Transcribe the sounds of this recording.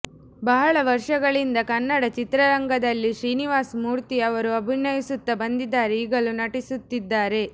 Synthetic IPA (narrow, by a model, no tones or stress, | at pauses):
bɐɦɐɭɐʋɐɾʂɐɡɐɭind̪ɐkɐnːɐɽɐt͡ʃit̪ɾɐɾɐŋɡɐd̪ɐlːiʃɾiːniʋaːsmuːɾt̪iɐʋɐɾuɐbʱinːɐjisut̪ːɐbɐnd̪id̪ːaːɾeiːɡɐlunɐʈisut̪ːid̪ːaːɾe̞